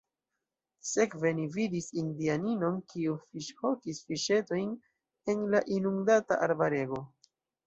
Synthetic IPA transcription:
se̞kve̞nividisindianino̞nkiufiʃho̞kisfiʃe̞to̞jn | e̞nlaʔinuŋdata̰ʔaɾbaɾe̞ɡo̞

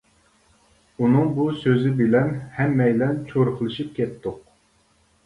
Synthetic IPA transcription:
unɨŋbusøzɪbɪlɛnhɛmːɛjlɛnt͡ʃʰoɾqəlˠɨʃip̚kʲʰɛt̪ːʊq̚

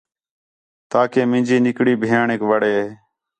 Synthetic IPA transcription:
t̪aːkeːmɪ̃ːnd͡ʒiːnɪkɽiːbʱeːaːɳeːkʋəɽeːeː

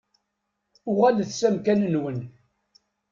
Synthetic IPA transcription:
ʊʁælθsæmkænənwən

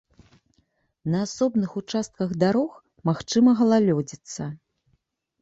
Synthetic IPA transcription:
nɐasɔbnɨxut͡ʂast̪̚kɐɣd̪aɾɔx | maxt͡ʂɨmɐɣɐlˠalʲɔd͡zʲit̪sːɐ

